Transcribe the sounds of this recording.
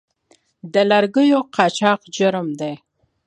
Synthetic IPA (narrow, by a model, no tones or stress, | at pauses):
d̪əlaɾɡəjoqʰɑt͡ʃɑqd͡ʒʊɾmd̪e